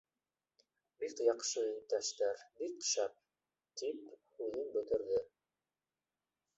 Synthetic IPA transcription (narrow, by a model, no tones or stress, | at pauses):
bikjɑqʃɤɵt̪æʃt̪æɾbikʃæp̚ | t̪iphʉðɘnbɵ̆t̪ɘ̆ɾðɘ